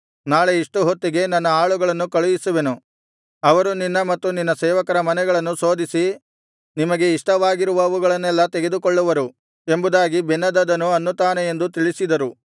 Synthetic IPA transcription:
naːɭeiʂʈuɦot̪ːiɡe̞nɐnːɐaːɭuɡɐɭɐnːukɐɭujisuʋenu | ɐʋɐɾuninːɐmɐt̪ːuninːɐsɛːʋɐkɐɾɐmɐnɛɡɐɭɐnːuso̞ːd̪isi | nimɐɡe̞iʂʈɐʋaːɡiɾuʋɐːʋuɡɐɭɐnːɛlːɐt̪eɡed̪ukɔɭːuʋɐɾu | e̞mbud̪aːɡibɛnːɐd̪ɐd̪ɐnuɐnːut̪aːneje̞nd̪ut̪iɭisid̪ɐɾu

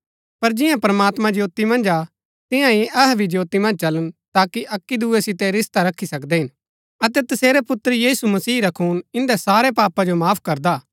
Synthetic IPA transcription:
pɐɾd͡ʒɪ̃jãpɾɐmaːt̪mãd͡ʒjoːt̪imɐ̃nd͡ʒa | t̪ɪ̃jãiʔɐɦɛbʱid͡ʒjoːt̪ːimɐ̃nd͡ʒt͡ʃɐlənt̪aːkiʔɐkːid̪uesɪt̪ɛɾɪst̪aɾɐkʰːisɐkd̪ɛɦɪn | ɐt̪ɛt̪ɐseːɾɛpʊt̪ːɾjiːsumɐsiːɾɐkʰuːnɪ̃nd̪ɛsaːɾɛpaːpãd͡ʒomaːpʰkɐɾd̪aː

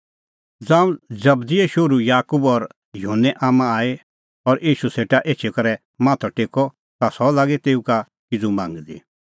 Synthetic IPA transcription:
d͡zãːũd͡zɐbd̪ieʃoɾujaːkubɔɾ | jʊɦənːɛʔaːmãaːe | ɔɾʔiːʃuseːʈaʔeːt͡ʃʰekɐɾɛ | mãːt̪ʰɔʈeːkɔ | t̪asɔlaːɡet̪eːuka | kɪd͡zumã̰ːŋɡd̪ḭ

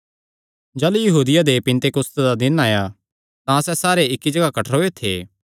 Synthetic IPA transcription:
d͡ʒaːlujɐɦuːd̪ɪjad̪epɪ̃nt̪ekɾʊst̪d̪ad̪ɪnaːja | t̪ãsɛsaːɾeɪkːid͡ʒɐɡakɐʈʰəɾɦoːet̪ʰḛː

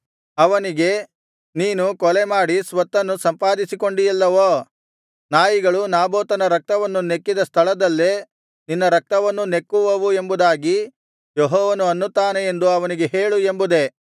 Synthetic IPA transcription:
ɐʋɐniɡe̞ | niːnukɔlemaːɽisʋɐt̪ːɐnːusɐmpaːd̪isiko̞ɳɖijɐlːɐʋoː | naːjiɡɐɭunaːboːt̪ɐnɐɾɐk̚t̪ɐʋɐnːune̞kːid̪ɐst̪ʰɐɭɐd̪ɐlːe | ninːɐɾɐk̚t̪ɐʋɐnːune̞kːuʋɐʋuembud̪aːɡi | joɦɔːʋɐnuɐnːut̪aːneend̪uɐʋɐniɡe̞ɦeːɭuembud̪e̞

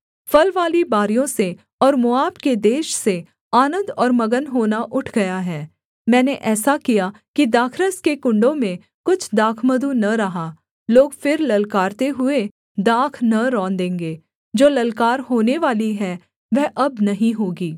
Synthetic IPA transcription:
fɐlʋaːlibaːɾijõse | ɔːɾmʊaːpked̪eːʃse | aːnə̃nd̪ɔːɾmɐɡənɦoːnaʔʊʈʰɡɐjaɦɛː | mɛ̃ːneʔɛːsakija | kid̪aːkʰɾəskekʊ̃ɳɖõmẽ | kʊt͡ʃʰd̪aːkʰməd̪unɐɾɐɦa | loːɡfɪɾlɐlkaːɾt̪eɦʊe | d̪aːkʰnɐɾɔ̃ːnd̪ẽːŋɡeː | d͡ʒoːlɐlkaːɾɦoːneʋaːliɦɛː | ʋɛɦʔɐbnɐɦĩɦoːɡiː

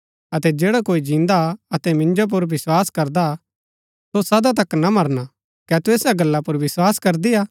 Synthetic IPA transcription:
ɐt̪ɛd͡ʒeːɽakoːid͡ʒĩːnd̪aɐt̪ɛmɪ̃nd͡ʒop̬ʊɾʋɪswaːskɐɾd̪a | sosɐd̪at̪ɐknamɐɾna | kɛːt̪ueːsaɡɐlːapʊɾʋɪswaːskɐɾd̪iaː

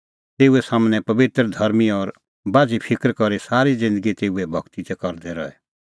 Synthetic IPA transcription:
t̪eːuɛsaːmnɛpɐbɪt̪ɾəd̪ʱɐɾmiɔɾ | baːd͡zipʰɪkɾkɔɾisaːɾid͡zɪ̃nd̪əɡit̪eːuɛbʱɐɡt̪it̪ɛkɐɾd̪ɛɾɔ̰ɛ

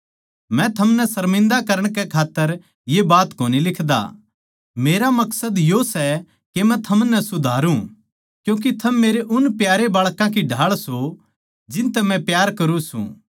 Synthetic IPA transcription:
mɛ̃t̪ʰɐmnɛsɐɾmɪ̃nd̪akɐɾəɽ̃kɛkʰaːt̪ːəɾ | jebaːt̪koːnilɪkʰd̪a̰ | meːɾamɐksəd̪josɛ | kemɛ̃t̪ʰɐmnɛsʊd̪ʱaːɾũ | kjũːk̬it̪ʰɐmːeːɾeʔʊnpjaːɾebaːɭkãkiɖʱaːɭso | d͡ʒɪ̃nt̪ɛmɛ̃pjaːɾkɐɾũsṵ̃ː

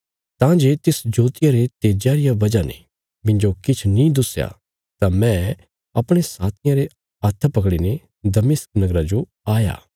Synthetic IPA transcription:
t̪ãːd͡ʒeːt̪ɪsd͡ʒoːt̪ɪjaɾet̪eːd͡ʒjaːɾɪjaʋɐd͡ʒanḛ | mɪ̃ɲd͡ʒokɪt͡ʃʰnĩd̪ʊsja̰ | t̪amɛ̃ | ɐpɽ̃esaːt̪ʰɪjãɾe | ɐt̪ʰːapɐk̬ɽine | d̪ɐmɪsknɐɡɾad͡ʒo | aːja̰ː

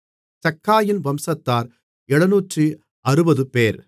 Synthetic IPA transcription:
sɐkːaːjɪnʋɐmsɐt̪ːaːɾ | ɛɽɐnuːʈrɯ | ɐɾɯbɐðɯpeːɾ

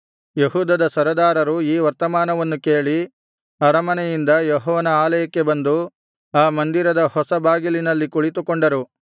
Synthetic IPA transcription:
jeɦuːd̪ɐd̪ɐsɐɾɐd̪aːɾɐɾuiːʋɐɾt̪ɐmaːnɐʋɐnːuke̞ːɭi | ɐɾɐmɐnɛjind̪ɐjɔɦɔːʋɐnɐaːlɐjɐkːe̞bɐnd̪u | aːmɐnd̪iɾɐd̪ɐhɔsɐbaːɡilinɐlːikuɭit̪ukoɳɖɐɾu

